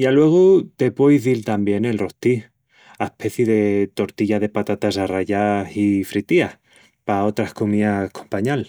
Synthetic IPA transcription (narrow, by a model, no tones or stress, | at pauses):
jalwe̞ɣ̞ut̪e̞pwojzðilt̪ambje̞ne̞lro̞ht̪i | aepʰe̞θjeðe̞t̪o̞ɾt̪iʝaðe̞pat̪at̪asaraʝasifɾit̪ia | pao̞t̪ɾahkomiakʰompaɲal